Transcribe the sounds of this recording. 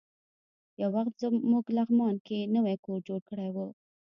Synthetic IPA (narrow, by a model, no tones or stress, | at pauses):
jawaxt̪zmuɡlaɣmɑnkenəwajkoɾd͡ʒoɽkəɽajwu